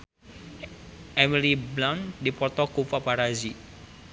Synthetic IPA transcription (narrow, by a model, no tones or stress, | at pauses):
ʔemiliblaŋd̪ipɔrt̪ɔkufapaɾazi